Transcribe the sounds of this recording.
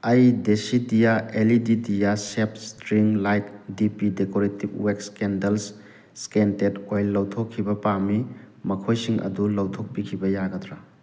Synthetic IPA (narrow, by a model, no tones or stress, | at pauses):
ɐjdesidijaelididijasep̚stɾiŋlajk̚dipidekoɾetib̚wekskendɐls | skentetojlːɐwtʰokʰːibɐpamimɐkʰojsiŋɐ̰dulɐwtʰok̚pikʰibɐjaɡɐtɾa